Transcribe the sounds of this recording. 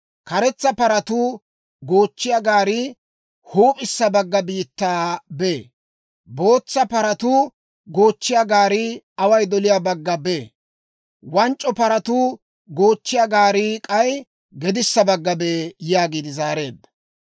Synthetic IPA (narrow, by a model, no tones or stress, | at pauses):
kɐɾɛt͡sːɐpɐɾɐt̪u | ɡoːt͡ʃːɪjɐɡaːɾɪ | huːpʼɪsːɐbɐɡːɐbiːt̪ːaːbe | bo̞ːt͡sːɐpɐɾɐt̪ʊː | ɡo̞ːt͡ʃːɪjɐɡaːɾɪ | ɐwɐjd̪ɔlɪjabɐɡːɐbe̞ː | wɐnt͡ʃʼːɔpɐɾɐt̪u | ɡo̞ːt͡ʃːɪjɐɡaːɾɪkʼɐj | ɡɛd̪ɪsːɐbɐɡːɐbeːjaːɡiːd̪ɪzaːɾe̞ːd̪ːɐ̥